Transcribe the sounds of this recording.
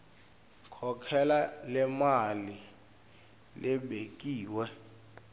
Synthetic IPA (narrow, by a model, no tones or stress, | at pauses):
kʰɔkʰɛlalɛmali | lʔɛɓek̬ʼiːwɛ